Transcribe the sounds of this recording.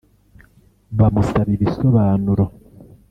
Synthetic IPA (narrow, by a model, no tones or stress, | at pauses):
βamusaβiβisoβaːnuɾo